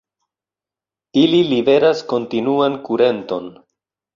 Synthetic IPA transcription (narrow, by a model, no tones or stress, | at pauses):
ililibe̞ɾasko̞ntinuankuɾe̞nto̞n